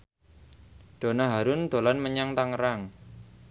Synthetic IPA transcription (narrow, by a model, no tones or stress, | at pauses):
ɖ̪̥o̤naɦaɾʊnd̪̥o̤lanməɲaŋt̪aŋəɾaŋ